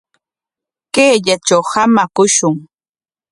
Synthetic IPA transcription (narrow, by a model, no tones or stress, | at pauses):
keːʎat͡ʃawhamakʊʃʊŋ